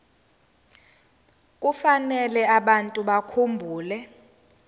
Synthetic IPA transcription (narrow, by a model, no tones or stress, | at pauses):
k̬ʼufanɛlɛaɓantʼuɓakʰumbʱuːlɛ